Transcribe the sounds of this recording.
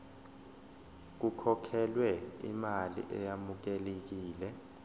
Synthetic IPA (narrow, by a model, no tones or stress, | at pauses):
k̬ukʰɔkʰɛlwɛḭmalḭʔɛjamuk̬ɛlek̬iːlɛ